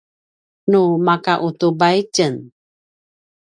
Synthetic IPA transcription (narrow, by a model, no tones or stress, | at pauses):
numakaʔut̪ubajt͡ʃən